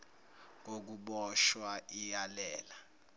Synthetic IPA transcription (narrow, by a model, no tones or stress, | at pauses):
k̬ok̬uɓɔʃwaʔijalɛːla